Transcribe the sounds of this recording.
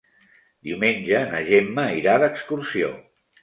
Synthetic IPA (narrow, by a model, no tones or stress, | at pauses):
d̪iumenʲʒənə̰ʒemːəiɾaðəkskursio̰